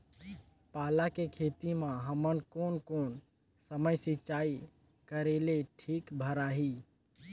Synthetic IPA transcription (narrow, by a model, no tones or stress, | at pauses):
paːlakekʰeːt̪imãɦəmənkoːnkoːn | səməjsit͡ʃaːi | kəɾeleʈʰiːkbʱəɾaːɦiː